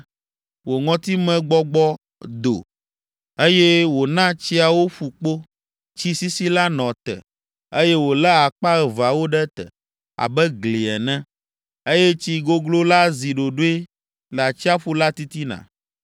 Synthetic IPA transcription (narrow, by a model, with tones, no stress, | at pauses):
wo˨ŋɔ̃˦t̪i˦mɛ̃˦ɡ͡bɔ˦ɡ͡bɔ˦ | d̪o̰˨ | e˦jɛ˦wo˨nã˦t͡ɕi˦a˨wo˦ɸu˨k͡po˦ | t͡ɕi˦si˦si˦la˦nɔ̃˨t̪ɛ̰˨ | e˦jɛ˦wo˨lɛ˦a˨k͡pa˦ɣɛ˨va˨wo˦ɖɛ˦t̪ɛ̰˨ | a̰˨bɛ˦ɡli˨ɛ˨nɛ̃˦ | e˦jɛ˦t͡ɕi˦ɡo˦ɡlo˦la˦zi˨ɖo˨ɖo˦e˦ | lɛ˨a˨t͡ɕi˦a˦ɸu˦la˦t̪i˦t̪i˦nã̰˨